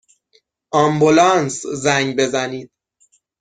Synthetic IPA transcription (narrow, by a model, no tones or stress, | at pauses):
ʔɒmbulɒːnszæŋɡbe̞zæniːd̪̥̚